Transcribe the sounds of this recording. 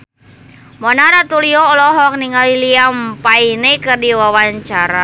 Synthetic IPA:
mɔnaɾat̪uliɔɔlɔɦɔk̚niŋaliliampainɛkɨrdiwawaɲt͡ʃaɾa

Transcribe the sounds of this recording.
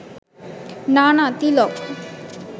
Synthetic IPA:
nanat̪ilɔk

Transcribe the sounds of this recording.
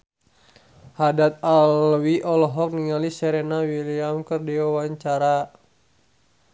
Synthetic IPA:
hadat̪̚alwiʔɔlɔɦɔk̚niŋalisɛɾɛnawiliamkərdiwawaɲt͡ʃaɾa

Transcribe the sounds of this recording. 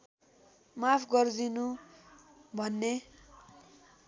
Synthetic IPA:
mapʰɡʌrd̪inu | bʱʌnːe

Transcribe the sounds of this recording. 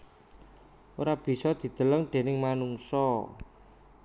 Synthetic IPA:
oɾab̥i̤sɔd̪̥i̤d̪̥ə̤ləŋɖ̪̥e̤nɪŋmanuŋsɔ

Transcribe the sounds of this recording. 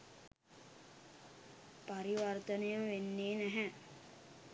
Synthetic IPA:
paɾiʋɐrt̪ənejəʋenːeːnæɦæ

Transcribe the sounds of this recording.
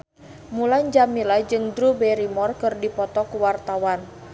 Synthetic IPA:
mulaɲd͡ʒamilad͡ʒɨŋdɾubɛɾimɔrkɨrdipɔt̪ɔkuwart̪awan

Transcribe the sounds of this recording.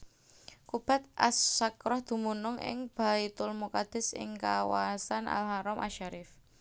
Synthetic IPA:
kub̥a̤t̪̚ʔasːakɾɔhd̪̥ṳmunʊŋʔɪ̰ŋb̥a̤it̪ʊlmokad̪̥ɪ̤sɪ̰ŋkawasanʔa̰lɦaɾɔmʔaʃaɾɪf

